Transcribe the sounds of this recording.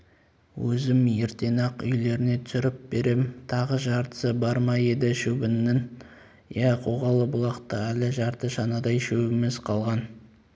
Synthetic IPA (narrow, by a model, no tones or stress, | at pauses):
wɵzɪmjeɾt̪e̞nɑqʏ̰jle̞ɾɪne̞t̪ʰʏ̥sʏɾɪp̚b̥e̞ɾe̞mt̪ʰɑʁəʒɑɾt̪ə̥səbɑɾmɑje̞d̪ɪʃɵbɪnːɪn | jæqʰoʁɑlˠəbʊlˠɑqt̪əælɪʒɑɾt̪əʒɑnɑd̪ɑjʃɵbɪmɪzqʰɑlˠʁɑn